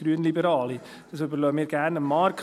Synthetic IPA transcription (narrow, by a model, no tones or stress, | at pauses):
ɾyənlibəɾɑːli | d̥ɑsybəɾlœmiːɾɡ̥æɾnəmːɑːɾkʰ